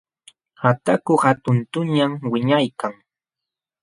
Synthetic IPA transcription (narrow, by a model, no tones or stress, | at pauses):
hat̪akʊhat̪ʊnt̪ʊɲamwɪɲajkaŋ